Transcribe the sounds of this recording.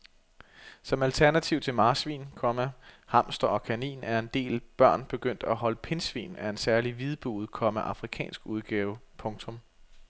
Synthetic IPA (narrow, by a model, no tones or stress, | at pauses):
sɒ̽mælt͡sʰæɐnæt͡sʰiʊt͡sʰe̝lmɑ̈ːsʋḭːnkʰɒ̽məhɑ̈m̰sd̥ɐɒ̽kʰænḭːnæɐe̝nd̥e̝̰ːlb̥ɶɐ̰nb̥e̝ɡ̥øn̰d̥æɦɒ̽ləpʰe̝nsʋḭːnæɐe̝nsæɐliʋið̞ˠb̥ṵːð̞̩ˠkʰɒ̽məʔɑ̈fʁikʰɛ̰ːnsɡ̥uð̞ˠɡ̥ɛːʊpʰɔ̽ŋt͡sʰɔ̽m